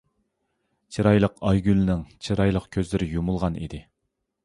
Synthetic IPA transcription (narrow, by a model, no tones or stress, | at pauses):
t͡ʃʰiɾɑjlˠəqɑjɡʲylnɪŋt͡ʃʰiɾɑjlˠəqkʲʰøzlɪɾɪjumulˠʁɑnḭd̪ɪ